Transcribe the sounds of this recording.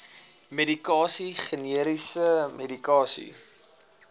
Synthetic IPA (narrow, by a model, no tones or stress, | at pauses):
medikɑːsiχəniəɾisəmedikɑːsḭ